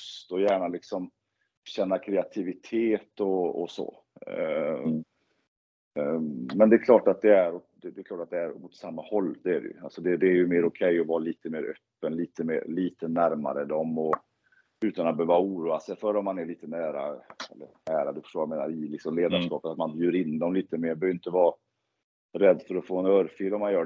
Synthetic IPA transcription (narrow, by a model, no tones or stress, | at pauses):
st̪ɔjæːɳalɪksɔm | ɕɛnːakʰɾɛat̪ʰɪvɪt̪ʰeːt̪ɔɔ̰sɔ̰ | mɛnd̪ɛkʰlɑːʈat̪̚d̪ɛæɾɔd̪ɛd̪ɛkʰlɑːʈat̪̚d̪ɛæɾmʊt̪samːahɔlːd̪ɛæɖɛ̰jɵ̰alsɔd̪ɛd̪ɛːɾjɵmeːɾɔkʰɛjːɔvɑːɾaliːt̪əmeːɾœ̰pːənliːt̪əmḛːɾliːt̪ənæɾma̰ɾəd̪ɔmɔ | ʉ̟ːt̪anat̪̚bhøːvauːɾuːasɛjfœɾɔmːanæɭiːt̪ənæːɾa̰ɛ̰lːə̰ɾæːɾad̪ɵfœ̥ʂʈoːvjameːna̰ɾɪlɪksɔmleːd̪aʂkɑːpət̪at̪manbjyːɾɪnd̪ɔmliːt̪əmeːɾbœːɾjɪnt̪əvɑː | ɾɛd̪ːfœɾɔfoːɛnœɾfilɔmːanjœː